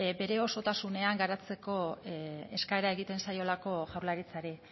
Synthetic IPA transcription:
be̞ɾe̞o̞so̞t̪asune̞aŋɡaɾat͡se̞ko̞ | e̞skaeɾae̞ɣit̪e̞nsajo̞lako̞ʝawɾlaɾit͡saɾi

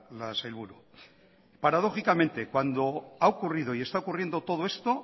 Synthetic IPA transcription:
lasajlβuɾu | paɾað̞o̞xikamẽ̞nt̪e̞kwand̪o̞aokurið̞o̞iest̪aokurje̞nd̪o̞t̪o̞ð̞o̞e̞st̪o̞

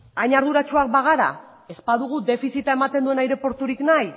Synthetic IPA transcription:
ajɲaɾðuɾat͡ʃuak̚baɣ̞aɾa̰ | e̞spaðuɣ̞ud̪e̞fisit̪ae̞mat̪e̞nd̪ue̞najɾe̞po̞ɾt̪uɾiknaj

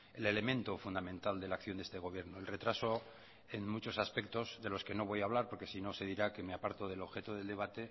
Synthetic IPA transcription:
e̞le̞le̞mẽ̞nt̪ofund̪amẽnt̪ald̪e̞lakθjond̪est̪e̞ɣ̞o̞β̞je̞ɾnoelre̞t̪ɾaso̞ | enmut͡ʃo̞saspe̞k̚t̪o̞zðe̞lo̞ske̞no̞β̞o̞jaːβ̞laɾpo̞ɾke̞sino̞se̞ðiɾake̞meapaɾt̪o̞ð̞e̞lo̞βxe̞t̪oðeld̪e̞β̞at̪e̞

